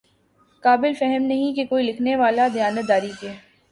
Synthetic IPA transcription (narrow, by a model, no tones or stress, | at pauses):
kaːbɪlfɛɦɛmnɐɦĩkekoːilɪkʰneʋaːlad̪ijaːnət̪̚d̪aːɾikeː